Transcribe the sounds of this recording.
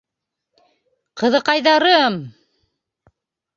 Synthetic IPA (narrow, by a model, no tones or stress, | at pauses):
qɤ̆ðɤ̆qɑjðɑɾɤm